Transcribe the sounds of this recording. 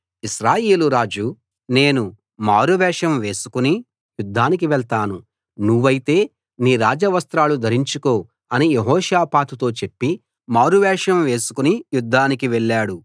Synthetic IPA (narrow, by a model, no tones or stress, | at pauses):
iʃɾaːje̞ːluɾaːd͡ʒu | ne̞ːnu | maːɾuʋɛːʂɐmʋe̞ːsu̥kuni | jud̪ʱːaːnik̬iʋɛɭt̪aːnu | nuʋːɐjit̪e̞ː | niːɾaːd͡ʒɐʋɐst̪ɾaːlud̪ʱɐɾiɲt͡ʃuko̞ː | ɐnijeɦɔːʃjaːpaːt̪ut̪o̞ːt͡ʃe̞pːi | maːɾuʋɛːʂɐmʋe̞ːsu̥kunijud̪ʱːaːnikiʋɛɭːaːɽu